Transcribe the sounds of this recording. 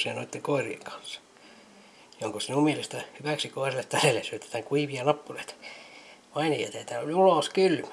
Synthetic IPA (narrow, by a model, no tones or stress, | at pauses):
sienoit̪ːeŋkoirḭḛŋkʰɑ̥nsːɑ̥ | joŋkosinummielist̪ɑhyʋæˑksikoirilːet̪t̪ælelːesyøt̪æ̥t̪æːŋkuiʋijɑnɑpːunet̪ | mɑinɑjḛt̪æt̪æːnolʲiuloˑskylmæ